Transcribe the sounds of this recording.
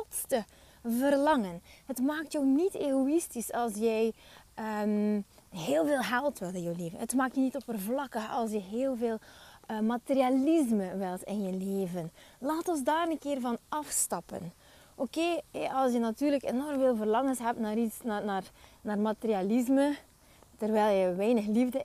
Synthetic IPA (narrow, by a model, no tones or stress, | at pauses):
ɔtstə | vərlɑŋənɦətmaːk̚tjɔwniteɣoistisɑlˠsjɛjəmɦeːlˠveːlˠɦɛlˠtʋɪlˠtɪnjɔwleːvənɦətmaːk̚tjənitɔpərvlɑkəɑ̰lˠs̬jəɦeːlˠveːlˠəmaterializməʋɪlˠtɪnjəleːvənlaːtɔnzdaːɾənkɪːrvɑnɑfstɑpə̰n | ʔokeːɛʔɑlˠsjənatyːrləkenɔrmveːlˠvərlɑŋənsɦɛp̚tnaːɾitsnanaːrnaːrmaterializmə | tərʋɛjlˠjəʋɛjnəxlivdə